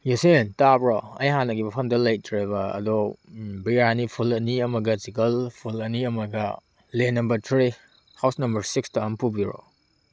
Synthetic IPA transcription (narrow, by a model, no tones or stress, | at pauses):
jusentabɾɔɐ̰jɦanɐɡimɐpʰɐmdɐlɐjtʰɾeβɐɐ̰dɔbianipʰulɐniɐmɐɡɐsikɐlpʰulɐniɐmɐɡɐ̰ | lenɐmbɐɾtʰɾi | hawsnɐmbɐɾsikstuɐmpubiɾo̰